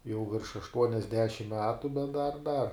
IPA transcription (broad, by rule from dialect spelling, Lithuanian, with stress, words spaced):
jɛʊ ʋʲɪrʃ ɐʃtuɔnʲɛzʲˈdʲæːʃʲɪm ˈmʲæːtʊ bʲɛt dɐr dɐr